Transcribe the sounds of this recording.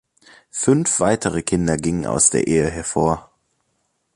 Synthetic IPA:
fʏnfv̥aɪtʰəʁəkʰɪndɐɡɪŋəna̰ʊsd̥ḛːɐʔeːəɦɛɐfoːɐ

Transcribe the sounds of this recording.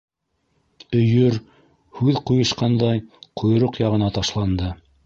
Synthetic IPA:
ɵ̆jɵɾ | hʉðqujɤ̆ʃqɑnd̪ɑjqʰŏj̆ɾoqjɑʁɤ̆nɑt̪ɑʃlˠɑnd̪ɤ

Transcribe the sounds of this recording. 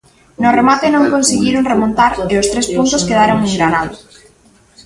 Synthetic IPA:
nʊremat̪enõŋkõnseɣiɾoŋremõnt̪aɾeʊst̪ɾespunt̪ʊskeðaɾoŋeŋɡɾanaðʊ

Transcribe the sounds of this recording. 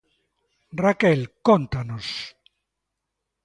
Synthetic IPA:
rakelkont̪anos

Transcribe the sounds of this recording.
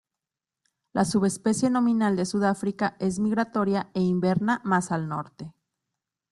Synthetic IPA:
lʔasuβe̞spe̞sje̞no̞mĩnald̪e̞suð̞afɾikaʔe̞z̬miɣɾat̪o̞ɾjae̞imbe̞ɾnamasalno̞̰ɾt̪e

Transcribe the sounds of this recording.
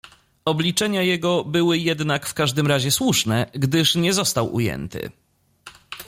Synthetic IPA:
ɔblʲit͡ʂɛɲajɛɡɔbɘwɘjɛd̪nakfkaʐd̪ɘmɾaʑɛswuʂnɛɡd̪ɘʂɲɛzɔst̪awʔṵjɛ̰nt̪ɘ̰

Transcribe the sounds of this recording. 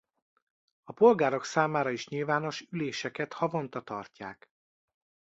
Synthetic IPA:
ɒpo̞lɡaːɾo̞ksaːmaːɾɒiʃɲilvaːno̞ʃyleːʃɛkɛt̪hɒvo̞nt̪ɒt̪ɒrcaːk

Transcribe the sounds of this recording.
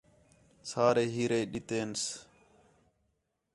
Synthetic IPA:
saːɾeːɦiːɾeːɗit̪eːns

